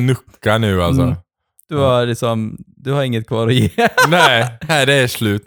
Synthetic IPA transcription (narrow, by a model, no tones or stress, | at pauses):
nɵkːanʉ̟ːa̰ls̬ɔ | d̪̥ɵaɾlɪksɔmd̪ɵhaɾɪŋːət̪̚kʰvɑːɾɔjeːnɛɪæɪd̪ɛːʂlʉ̟ːt̪